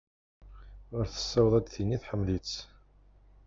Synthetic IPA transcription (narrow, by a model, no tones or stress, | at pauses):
ʊɾθə̥sːæwðˤæd̪θinːiθħəmːlit͡sː